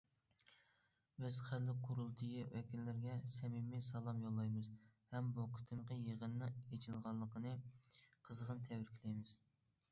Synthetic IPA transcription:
bɪz̥χælːɪqʰʊɾulˠd̪ʰɨjiwɛkʲinːɪɾɡʲɛsɛmimɪsɑlˠɑmjolˠːɑjmɨzhɛmbuqʰə̥t̪ʰɨmqəjeʁənːɨet͡ʃʰilʁɑnlˠːəqʰənɨqʰəzəʁənt̪ʰɛwɾkʲʰlɛjmɪz̥

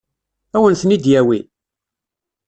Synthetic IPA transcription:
æwənθənid̪jæwi

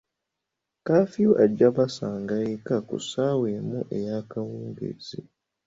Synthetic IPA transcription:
kaːfioʔaɟːaβasaːŋɡajekakṵsaːweːmuʔe̞jakawuːŋɡḛzḭ

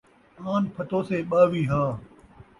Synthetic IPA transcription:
aːnpʰɐt̪oːseːɓəːʋiːɦaː

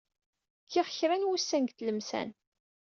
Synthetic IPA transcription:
kʰːɪʁçɾænwusːænɡt̪ləmsæ̰n

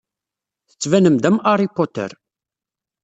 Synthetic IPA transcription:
θə̥t͡sːvænəmd̪æmaɾˤipot̪ə̰ɾ

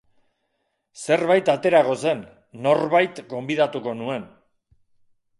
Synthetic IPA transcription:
se̞ɾβajt̪at̪e̞ɾaɣo̞se̞nː | o̞ɾβajt̪ɡo̞mbiðat̪uko̞nue̞n

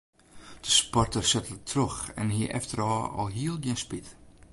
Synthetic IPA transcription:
d̥əspɔrtərsɛtəltʰrøxɛ̰nɦiəʔɛ̰ftəɾɑːɔ̰lˠɦiəlˠɡjiənspit

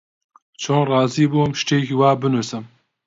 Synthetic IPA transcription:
t͡ʃʰoːnrɑːziːbuːmʃteːkiwaːbɨnusɨm

